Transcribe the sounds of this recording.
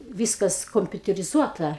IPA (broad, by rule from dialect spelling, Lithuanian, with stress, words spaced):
ˈʋʲiːskɐs koːmʲpʲʊtʲɛrʲɪˈzuɔtɐ